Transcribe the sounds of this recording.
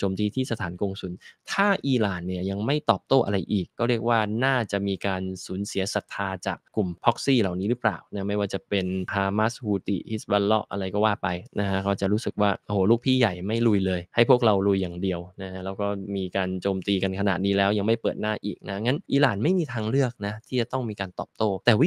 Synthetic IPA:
t͡ɕoː˧mt̪iː˧t̪ʰiː˥˩sa˧t̪ʰaː˩˦nkoː˧ŋsu˨˩˦nt̪ʰaː˥˩ʔiː˧laː˨˩nːi˥˩əja˧ŋma˥˩jt̪ɔː˨˩p̚t̪oː˥˩ʔa̰˧ɾa˧jʔiː˨˩kkːɔː˥˩ɾi˥˩ək̚waː˥˩naː˥˩t͡ɕa˨˩ʔmiː˧kaː˧nsuː˩˦nsi˨˩˦sa˨˩k̚t̪ʰaː˧t͡ɕaː˨˩k̚klu˨˩mpʰɔ˦˥k̚siː˥˩la˨˩wniː˦˥ɾɯ˦˥pla̰ː˨˩wna˦˥ma˥˩jwaː˥˩t͡ɕa˨˩pe˧nhʰaː˧ma˦˥shuː˧t̪ḭ˨˩hi˦˥sba˧nlɔ˦˥ʔʔa̰˧ɾa˧jkɔː˥˩waː˥˩pa˧jna˦˥kʰa˦˥kʰɔː˦˥˩t͡ɕa˨˩ʔɾuː˦˥sɯ˨˩k̚waː˥˩ʔo˧hoː˨˦luː˥˩k̚pʰiː˥˩ja˨˩jma˥˩jlu˧jlɤː˧jha˥˩jpʰu˥˩ək̚ɾa˧wlu˧jːaː˨˩ŋdi˧əwna˦˥kʰa˦˥lɛː˦˥wkɔː˥˩miː˧kaː˧nt͡ɕoː˧mt̪iː˧ka˧nkʰa˧na̰˨˩t̪̚niː˦˥lɛː˦˥wja˧ŋma˥˩pɤː˨˩t̪̚naː˥˩ʔḭː˨˩k̚na˦˥ŋa˦˥nʔiː˧laː˨˩nma˥˩jmiː˧t̪ʰaː˧ŋlɯ˥˩ək̚na˦˥t̪ʰiː˥˩t͡ɕa˨˩t̪ɔ˥˩ŋmiː˧kaː˧nt̪ɔː˨˩p̚t̪oː˥˩t̪ɛː˨˩wi˦˥

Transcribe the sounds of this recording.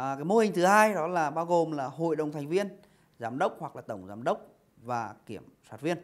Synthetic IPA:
kaː˨˦jmo˧hï˨˩ŋ̟t̪ʰɨ˨˦haː˧jɗɔ˨˦laː˨˩ɓaː˧wɣo˨˩mlaː˨˩ɦo̰˧˨jɗə˨˩wŋ͡mt̪ʰɛ˨˩ŋ̟vi˧ən | zaː˨˦mɗə˦˥wk͡p̚hwa˨˩klaː˨˩t̪ə˧˩wŋ͡mzaː˨˦mɗə˦˥wk͡p̚ | vaː˨˩ki˧˩əmsaː˨˦t̚vi˧ən

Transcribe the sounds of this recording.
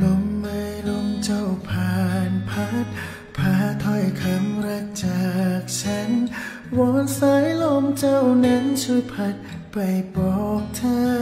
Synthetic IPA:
lo˧˥mːa˧jlo˧˥mt͡ɕa˧˩wpʰaː˨˩npʰa˧˦˥t̪̚ | pʰaː˧˩t̪ʰɔ˧˩jkʰa˧˦mɾa˧k̚t͡ɕaː˨˩k̚t͡ɕʰa˧˦˥n | wɔː˧˦nsa˧˥jlo˧mt͡ɕa˧˩wna˧˥nt͡ɕʰu˧˥jpʰa˧˦t̪̚ | pa˨˩jbɔː˨˩k̚t͡ɕʰaː˧

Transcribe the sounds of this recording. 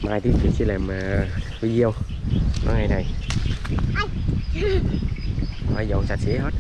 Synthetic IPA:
maː˨˩jt̪ʰi˨˦t͡ɕḭ˧˨sḭ˧˥laː˨˩mː˨˩ | i˧zi˧əw | kɔ̰˧˦ŋa˨˩jna˨˩j | ma˧jzə̰˧˨wsa˨˩t̚si˧˦hə˦˥t̚

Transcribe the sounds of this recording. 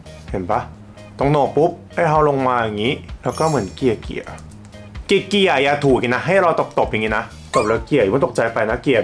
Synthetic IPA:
he˨˩˦npa˦˥ | t̪ɔ˧˩ŋnɔː˨˩k̚pu˦˥p̚ha˥˩jɦa˧˩wlo˧ŋmaː˧ja˨˩ŋiː˦˥lɛː˦˥wkɔː˥˩mɯ˩˦ə˦nki˨˩əkḭ˨˩ə̰˩ | ki˨˩ki˨˩əjaː˨˧˩t̪ʰuː˨˩k̚ki˧na˦˥ɦa˥˩jɾa˧t̪o˨˩p̚t̪o˨˩p̚ja˨˩ŋːiː˦˥na˦˥ʔ | k̪ɔ˨˩p̚ɾa˧ki˨˩əa˨˧˦nt̪o˨˩t͡ɕa˧jpa˧jna˦˥ki˨˩ə˩

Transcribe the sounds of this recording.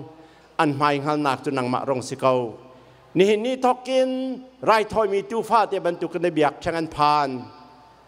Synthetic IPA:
ʔɐ˧˨nm̥aː˨˧jŋ̥a˧lnaː˨˩k̚t͡su˧˨na˨ŋma̰˧˨ʔɾɔ˧˨ŋsi˧ko˧w | ni˧˩hi˧˨nːiː˥˨t̪ʰɔ˧kːi˧nraː˧jt̪ʰɔ˧˨jmiː˧˨t̪uː˧˨fʰaː˧˨t̪ɛː˧˨bɐ˨nt̪u˨kːa˧nda˧bi˨ak̚tʰɛ˧˦ŋʔa˧˨npʰaː˧n

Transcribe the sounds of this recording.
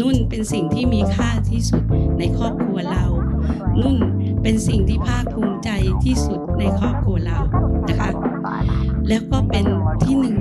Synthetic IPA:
nu˥˩npe˧nsi˨˩ŋt̪ʰiː˥˩miː˧kʰaː˥˩t̪ʰiː˥˩su˨˩t̪̚na˧jkʰɔː˥˩p̚kʰɾu˧ɐla˧wnu˥˩n | pe˧nsi˨˩ŋt̪ʰiː˥˩pʰaː˥˩k̚pʰu˧˦˥ŋt͡ɕa˧jt̪ʰiː˥˩su˨˩t̪̚na˧jkʰɔː˥˩p̚kʰɾu˧ɐɾa˧wna˦˥kʰa˦˥ | lɛː˦˥wkɔː˥˩pe˧nt̪ʰiː˥˩nɯ˨˩ŋ

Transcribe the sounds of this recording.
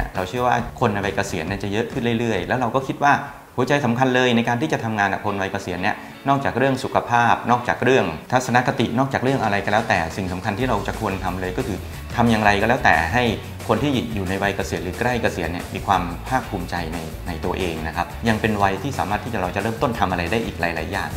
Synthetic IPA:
ɾa˧wt͡ɕʰɯ˥˩əwaː˥˩kʰo˧nːa˧jwa˧jka˧si˨˩˦ənːi˥˩t͡ɕa˨˩jɤ˦˥ʔkʰɯ˥˩nɾɯ˥˩jɾɯ˥˩əjlɛː˦˥wɾa˧wkɔː˥˩kʰi˦˥t̪̚waː˥˩ | hu˩˦t͡ɕa˧jsa˩˦mkʰa˧nlɤː˧jna˧jkaː˧t̪ʰiː˥˩t͡ɕa˨˩t̪ʰa˧mŋaː˧nʔa̰˨˩kʰo˧nwa˧jka˧si˨˩˦ənːi˥˩ə | nɔː˥˩k̚t͡ɕaː˨˩k̚ɾɯ˥˩əŋsu˨˩kʰa˧pʰaː˥˩p̚nɔː˥˩k̚t͡ɕaː˨˩k̚ɾɯ˥˩əŋt̪ʰa˦˥t̪sa˧na˦˥ka˧t̪i˨˩nɔː˥˩k̚t͡ɕaː˨˩k̚ɾɯ˥˩əŋʔa˧ɾa˧jkɔ˧˩lɛː˦˥wt̪ɛː˨˩si˨˩ŋsa˩˦mkʰa˧nt̪ʰiː˥˩ɾa˧wt͡ɕa˨˩kʰu˧ənt̪ʰa˧mlɤː˧jkɔː˥˩kʰɯː˧ | t̪ʰa˧mja˨˧ŋɾa˧jkɔː˥˩lɛː˦˥wt̪ɛ̰ː˨˩ɦa˥˩j | kʰo˧nt̪ʰiː˥˩juː˨˩na˧jwa˧jka˧si˨˩˦ənɾɯː˩˦kɾa˥˩jka˧si˨˩˦ənːi˥˩miː˧kʰwaː˧mpʰaː˥˩k̚pʰːuː˧mt͡ɕa˧jna˧j | na˧jt̪u˧ɐʔeː˧ŋna˦˥kʰa˦˥p̚ja˧ŋpe˧nwa˧jt̪ʰiː˥˩saː˩˦maː˥˩t̪ʰiː˥˩t͡ɕa˨˩ɾa˧wt͡ɕa˨˩ɾɤː˥˩mt̪o˥˩nt̪ʰa˧mʔa˧ɾa˧jdaː˥˩ʔiː˨k̚laː˩˦jla̰ː˩˦ja̰ː˨˩ŋ

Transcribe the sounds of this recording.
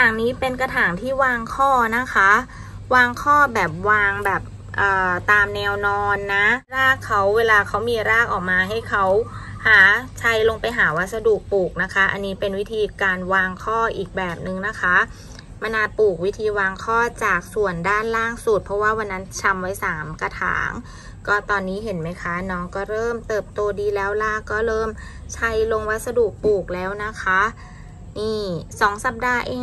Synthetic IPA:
jaː˨˩ŋniː˦˥pe˧nka˧t̪ʰaː˩˦ŋt̪ʰiː˥˩waː˧ŋkʰɔː˥˩na˦˥kʰa˦˥ | waː˧ŋkʰɔː˥˩bɛː˨˩p̚waː˧ŋbɛː˨˩p̚ | ʔɤː˨˩t̪aː˧mnɛː˧wnɔː˧nːa˦˥ɾaː˥˩kʰːa˦˥wːeː˧laː˧kʰa˦˥wmiː˧ɾaː˥˩k̚ʔɔː˨˩k̚maː˧ɦa˥˩jkʰa˦˥whaː˩˦t͡ɕʰa˦˥jlo˧ŋpa˧jɦaː˩˦wa˧˥˩sa˧duː˨˩k̚puː˨˩k̚na˦˥kʰa˦˥ʔa̰˧nːiː˦˥pe˧nwi˦˥t̪ʰiː˧kaː˧nwaː˧ŋkʰɔː˥˩ʔiː˨˩k̚bɛː˨˩p̚nɯ˨˩ŋna˦˥kʰa˦˥ | ma˧nʔaː˧puː˨˩k̚wi˦˥t̪ʰiː˧waː˧ŋkʰɔː˥˩t͡ɕaː˨˩k̚su˨˩əndaː˥˩nlaː˥˩ŋsu˨˩t̪̚pʰɔ˦˥waː˥˩wa˧nːa˦˥nt͡ɕʰa˧mwa˦˥jsaː˩˦mka˧t̪ʰa̰ː˩˦ŋ | kɔː˥˩t̪ɔː˧nːiː˦˥ɦe˩˦nma˦˥jkʰa˦˥nɔː˦˥ŋkɔː˥˩ɾɤː˥˩mt̪ɤː˨˩p̚t̪oː˧diː˧lɛː˦˥wla˧˥˩kɔː˥˩ɾɤː˥˩m | t͡ɕʰa˦˥jlo˧ŋwa˦˥t̪̚sa˧duː˨˩k̚puː˨˩k̚lɛː˦˥wna˦˥kʰa˦˥ | niː˥˩sɔː˨˩˦ŋsa˨˩p̚daː˧ʔeː˧

